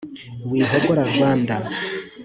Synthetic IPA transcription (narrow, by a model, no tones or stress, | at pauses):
wiːɦokoɾaŋɡwaːnda